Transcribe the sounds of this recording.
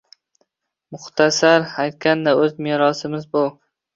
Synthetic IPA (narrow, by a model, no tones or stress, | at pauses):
mʊχt̪ʰasaɾhajt̪̚kʲand̪aɵzmeɾɒsɪmɪzbow